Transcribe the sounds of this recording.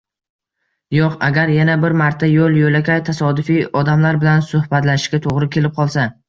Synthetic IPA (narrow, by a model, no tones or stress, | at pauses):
jɒqaɡʲaɾjanabɪɾmaɾt̪ʰajolˠjojlakʲʰajt̪ʰasɒd̪ʊfɪɒd̪amlaɾbɪlansʊhbat̪lanɪʃkʲat̪ʰoʁɾɪkʲʰe̞lɪp̚qʰɒlˠsa